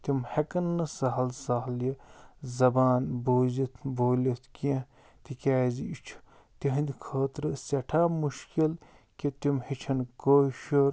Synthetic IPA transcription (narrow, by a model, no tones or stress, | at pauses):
t̪imhekɐnːɨsɐɦɐlsaɦljɐzɐbaːnboːzit̪ʰboːlʲit̪ʰk | t̪ikʲaːziit͡ʃʰu̥ | t̪iɦɐnd̪ʲkʰəːt̪ɾɨsʲɐʈʰaːmuʃkil | kit̪imhit͡ʃʰɐnkoːʃoɾ